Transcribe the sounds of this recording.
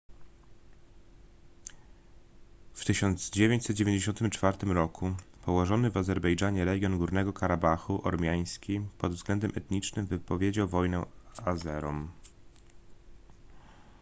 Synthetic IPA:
ft̪ɘɕɔnd̪z̥d͡ʑevʲjeɲt͡ɕsɛt̪̚d͡ʑevʲeɲd͡ʑeɕɔnt̪ɘmt͡ʂfaɾt̪ɘmɾɔkʰupɔwɔʐɔnɘvazɛɾbɛjd͡ʐaɲɛɾɛɡʲjɔnɡuɾnɛɡɔkaɾabaxuʔɔ̰ɾmʲjaj̃skʲipɔd̪vzɡlɛnd̪ɛmʔɛt̪ɲit͡ʂnɘmvɘpɔvʲjed͡ʑawvɔjnɛazɛɾɔ̰m

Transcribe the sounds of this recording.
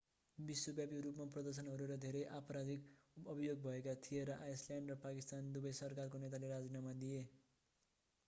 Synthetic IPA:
biswobjabiɾupmaprʌd̪ʌrs̬ʌnɦʌɾuɾʌd̪ʱeɾʌjʔapʌɾad̪ikʌbʱijoɡ̚bʱʌekat̪ʰijeɾʌʔajsljaɳɖrʌpakist̪and̪ubʌjsʌrkarkonet̪̬aleɾad͡zinamad̪ie

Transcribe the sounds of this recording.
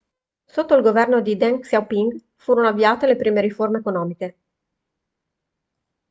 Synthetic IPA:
sot̪ːoilɡovɛrnod̪id̪ɛŋksawpiŋɡ | fuːɾonoavːiaːt̪elepɾiːmeɾiformeekonɔːmike

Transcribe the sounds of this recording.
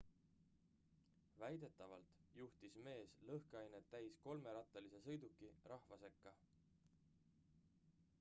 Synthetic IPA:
væjd̪e̞t̪ːˑɑvɑlt̪juht̪isme̞ːslɤhkɑjnet̪ːæjsko̞lme̞ɾɑt̪ːˑelise̞sɤjd̪ukːˑirɑhvɑse̞kːɑ

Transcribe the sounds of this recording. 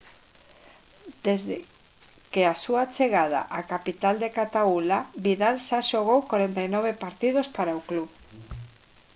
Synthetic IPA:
d̪̥ezðe | keasuat͡ʃeɣað̞a̰ʔakapit̪ald̪ekat̪aulaβiðalsaʃoɣ̞owkwaɾent̪ajnɔβ̞epaɾt̪ið̞ospaɾaokluβ

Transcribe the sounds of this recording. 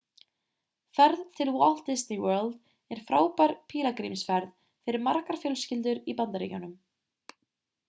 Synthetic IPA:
fɛɾðt̪ʰɪlwɔl̥t̪ɪsniwœːɾlt̪ | ɛɾ̥fɾaːwpaɾpʰiːlakɾimsfɛɾð | fɪɾɪɾmaɾkaɾ̥fjœlscɪlt̪ʏɾipant̪aɾḭːcanʏm

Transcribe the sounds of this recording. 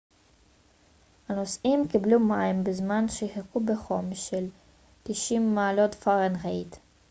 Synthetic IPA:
hano̞sʔimkiblumaimbezmanʃehekubeχomʃel | t̪iʃimːaːlo̞tfaʁenʁejt̪

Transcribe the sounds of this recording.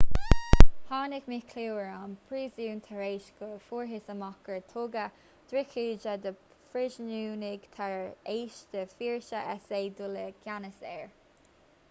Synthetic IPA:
hɑːnɪkmɪkʰliəɹanpʰɹiːzuːnt̪ʰaɹeːʃkəfuːɹɦɪsəmɑkəɹt̪ʰʊɡə | d̪̥ɾɪkʰiːd͡ʒəd̪ə | fɹɪʒnuːnɪɡt̪ʰaɹeːʃd̪̥əfiːɹʃəʔɛseːd̪uləɡ̥janəsɛ̰ːɹ

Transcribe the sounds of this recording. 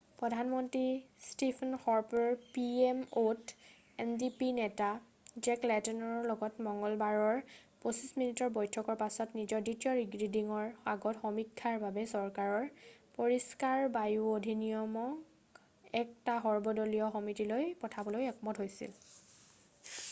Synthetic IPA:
pɹɔdʱanmɔntɹistipʰnxɔɹpɔɹpiemot | ɛndipinɛta | d͡ʒɛklɛtɔnɔɹɹlɔɡɔtmɔŋɡɔlbaɹɔɹ | posisminitɔɹbɔjtʰɔkɔɹpasɔtnizɔɹditijɔɹiɡɹidiŋɔɹaɡɔtxɔmikʰːaɹbabɛsɔɹkaɹɔɹpoɹiskaɹbajuodʱinijɔmɔk | ɛktaɦɔɹbɔdɔliɔxɔmitilojpɔtʰabɔlojɛkɔmɔtɦojsḭl

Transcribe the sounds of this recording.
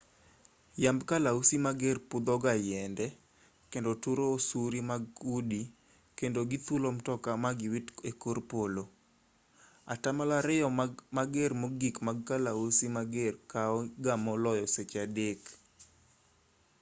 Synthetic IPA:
jambkalausimaɡerpʊd̪ɔɡajɛndɛ | kendotuɾoːsuɾimaɡudi | kendoɡit̪ulomtɔkamaɡɪwitekorpolo | atamalaɾɪjɔmaɡermoɡikmaɡ̚kalausimaɡerkaɔɡamɔlɔjɔset͡ʃadek

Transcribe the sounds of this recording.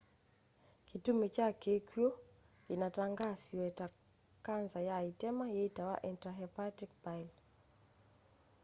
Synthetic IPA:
kitumit͡ʃakɛkjɔ | inataŋɡasiwɛta | kanzajaitɛmajɛtawa̰ʔintɾaɦɛpatik̚bajl

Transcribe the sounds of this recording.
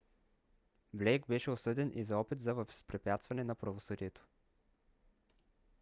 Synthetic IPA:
blɛjɡ̚bɛʃɛosɤd̪ɛnʔizɐɔpit̪zɐvəvspɾɛpʲjat̪st̪vɐnɛnɐpɾɐvosɤd̪iɛt̪o̥

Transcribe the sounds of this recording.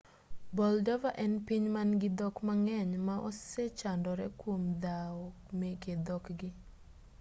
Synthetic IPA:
bɔldɔvaʔɛnpiɲmanɡɪd̪ɔkmaŋɛɲmaʔɔset͡ʃandɔɾɛkwomd̪awɔ | meked̪ɔkɡɪ

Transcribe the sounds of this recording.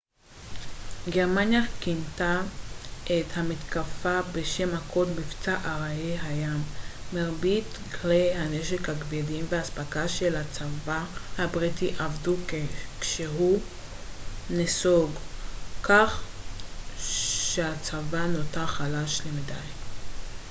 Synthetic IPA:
ɡeʁmanjakinta | ʔethamitkafabeʃemhakʰodbift͡saʔaʁaeɦajamːeʁbitklehaneʃekhaɡbedimveaːspakaʃelat͡savahabʁitiʔavdukekʃeɦu | nesoɡkaχ | ʃeat͡savanotaχalaʃlemidaj

